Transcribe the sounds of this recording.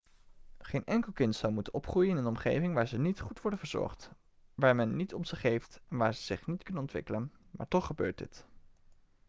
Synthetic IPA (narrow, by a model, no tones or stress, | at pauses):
χejnʔɛŋkəlˠkɪntsɔwmutənɔpχrujəɪnənɔmχejvɪŋʋaːɹzənitχutʋɔɹdənvəɹz̥ɔ̰ɹχt | ʋaːɹmɛnːitɔmz̥ɪχejftɛnʋaːɹzəz̥ɪχnitkɵnənɔntʋɪ̰kələnmaːɹtɔχːəbøːɹt̚dɪ̰t